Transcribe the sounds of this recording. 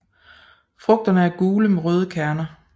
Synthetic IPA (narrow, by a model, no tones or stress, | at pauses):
fʁɔ̽ɡ̥̚d̥ɐnəæɐɡ̥uːləmeʁœːð̞ˠəkʰæɐnɐ